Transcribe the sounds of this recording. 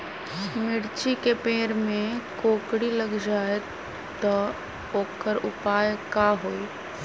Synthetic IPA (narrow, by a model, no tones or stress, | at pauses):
mɪɽt͡ʃikepeːɾmẽkoːkɽiləɡd͡ʒaːe | t̪ə | oːkəɾʊpaːjkaɦoːi